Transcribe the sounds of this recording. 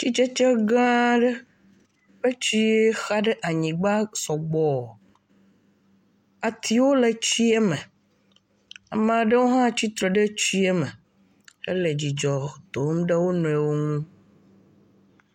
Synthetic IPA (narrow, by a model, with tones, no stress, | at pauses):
t͡ʃi˦t͡ʃe˦t͡ʃe˦ɡã˦ɖe˦ | ɸe˦t͡ɕi˦e˦xa˦ɖe˦ʔa˨ɲĩ˨ɡ͡ba˦sɔ˨ɡ͡bɔ˦˨ | a˨t̪ʰi˨wo˦le˨t͡ɕi˦ɛ˦mɛ̃˨ | a˨mã˨ɖe˦wo˦ɦã˦t͡ɕi˦t̪ɾe˨ɖe˦t͡ɕi˦e˦me˨ | ḛ˦le˨d͡ʑi˨d͡ʒɔ˨t̪o˨˦mɖe˦wo˦nɔ̃˨ɛ˨wo˦ŋũ˦